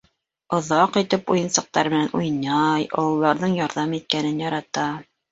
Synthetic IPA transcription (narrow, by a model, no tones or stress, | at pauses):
ŏðɑqit̪ɘpujɤ̆nsɤ̆q̚t̪ɑɾmɘ̆nænʔujnɑjɑ̰wɤ̆lˠɑɾðɤɴjɑɾðɑmit̪̚kænɘnjɑɾɑt̪ɑ